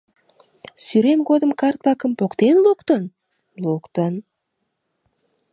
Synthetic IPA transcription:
syɾemɡod̪əmkɑrt̪̚lɑkə̆mpokt̪enlˠukt̪ən | lˠukt̪ən

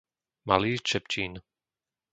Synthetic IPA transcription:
ma̰liːt͡ʃɛpt͡ʃiːn

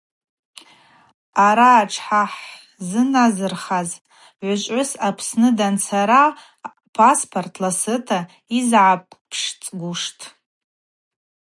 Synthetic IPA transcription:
aɾaːʈ͡ʂʰħaħ | zɨnazɨrχazʼ | ʕʷʊt͡ʃʷʼʕʊsapʰsnɨdant͡sʰaɾa | pʰaspʰortʰlasɨtʰa | izʕapʼpʰʂt͡sʼɡʷuʂtʰʼ

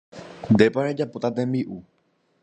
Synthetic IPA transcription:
d̪epaɾed͡ʒapot̪at̪embiʔu

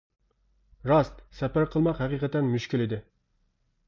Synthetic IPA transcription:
ɾɑst̪sɛpæɾqʰəlˠmɑqɦɛqiqʰɛt̪ɛnmyʃkʲilɪd̪ɪ

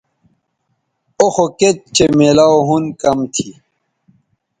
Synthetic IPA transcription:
oxoket̪̚t͡ɕemelaoɦunkɐmt̪ʰi

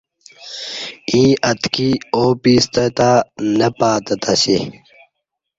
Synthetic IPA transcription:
ĩːʔɐt̪kioːpiːst̪ɐt̪aːnɐpaːt̪ɐt̪ɐsi

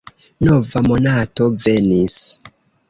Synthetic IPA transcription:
novamo̞nato̞ve̞nis

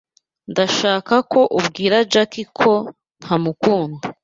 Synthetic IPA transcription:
ndaʃaːkako̞ʔubɡiːɾad͡ʒakikʰo̞ | n̥hamukuːnɡa

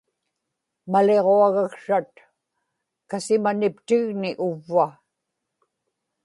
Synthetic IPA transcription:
male̞ʁoaɣakʂat̪̚ | kasɪmanɪpt̪ɪɣnɪʔʊvːa

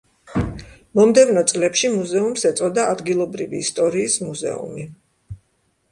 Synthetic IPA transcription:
mɔmd̪ɛvnɔt̪sʼlɛpʃimuzɛumsɛt̪sʼɔd̪aːd̪ɡilˠɔbɾivḭːst̪ʼɔɾiːsmuzɛ̰ṵmi

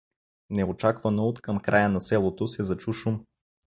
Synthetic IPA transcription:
nɛot͡ʃakvɐnoːt̪kəmkɾʔajənɐsɛlˠot̪osɛzɐt͡ʃuʃum

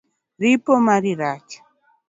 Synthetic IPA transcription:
ripɔmaɾiɾat͡ʃḁ

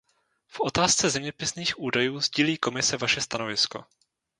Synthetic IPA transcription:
fʔo̞t̪aːst͡sɛzɛmɲɛpɪsniːxʔuːdajuːzɟiːliːko̞mɪsɛvaʃɛst̪ano̞vɪsko̞̰

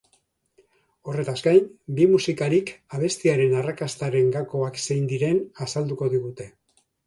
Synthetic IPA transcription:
o̞re̞t̪azɡajnbimusikaɾikaβ̞e̞st̪iaɾe̞narakast̪aɾe̞ŋɡako̞akse̞jnd̪iɾe̞nasald̪uko̞ðiɣ̞ut̪e̞

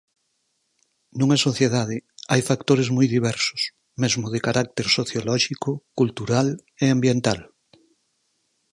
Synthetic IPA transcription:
nũŋɐsoθjeðað̞ɪajfakt̪oɾezmujðiβ̞ɛɾsʊ̥s | mezmʊð̞ekaɾak̚t̪eɾsoθjolɔʃikʊkult̪uɾal | eambjent̪al

